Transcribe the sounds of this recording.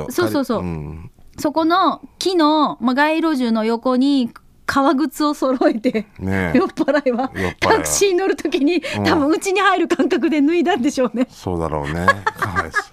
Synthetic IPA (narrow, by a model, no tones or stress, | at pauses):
so̞ːso̞ːso̞ː | so̞ko̞no̞kʲinomaɡaiɾo̞ʑɨno̞jo̞ko̞ɲ̟i | kʰaβaɡɯ̟t͡sɨo̞so̞ɾoet̪e̞njopːaɾaiβaot̪akɯ̟̥ɕɕiɲino̞ɾɯ̟t̪o̞kʲiɲ̟it̪abɯ̟̃ɯ̟t͡ɕiɲ̟ihaiɾɯ̟kãŋkak̬ɯ̟d̪e̞nɯ̟id̪ãnd̪e̞ɕo̞ːne̞soːd̪a̰ɾo̰ːne